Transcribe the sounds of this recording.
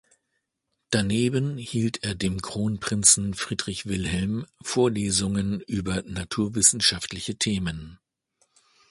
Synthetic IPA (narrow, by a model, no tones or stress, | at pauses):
d̥aneːbənhiːltʰeːɐdeːmkʁ̥oːnpʁ̥ɪnt͡sn̩fʁ̥iːdʁɪçv̥ɪlhɛlmfoːɐleːzʊŋənʔyːbɐnatʰuːɐvɪsn̩ʃaftlɪçətʰeːmən